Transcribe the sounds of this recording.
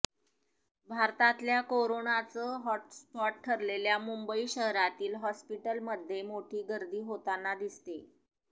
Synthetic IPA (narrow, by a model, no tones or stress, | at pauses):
bʱaɾt̪ãt̪ljakoɾonat͡səɦɔʈspɔʈ̚ʈʰːəɾleljamumbəiɕəɦɾat̪iːlɦɔspiʈəlməd̪ʱːjemoʈʰiːɡəɾd̪iːɦot̪anːad̪ist̪e